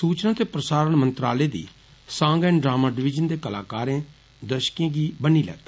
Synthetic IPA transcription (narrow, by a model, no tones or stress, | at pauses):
suːt͡ʃnãːt̪eːpɾəsaːɾəɳmə̃nt̪ɾaːleːd̪ḭː | sãːŋɡɛ̃ːɳɖɾaːmaːɖɪʋɪd͡ʒənd̪eːkəla̰ːkaːɾẽː | d̪əʃkẽːɡiːbəniːlɛ̰ːt̪a